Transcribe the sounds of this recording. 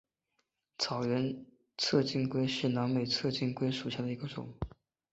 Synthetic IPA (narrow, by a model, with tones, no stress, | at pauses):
t͡sʰɑ˨˩ʊɥɛ˧˥n | t͡sʰɤ˥˧t͡ɕi˥˧ŋkwe˥ɪʂɻ̩˥˩nɑ˧˥ŋme˨˩ɪt͡sʰɤ˥˧t͡ɕi˥˧ŋkwe˥ɪʂu˨˩ɕja˥˩d̪ə˩i˧˥ɡə˧ʈ͡ʂʊ̰˨˩˦ŋ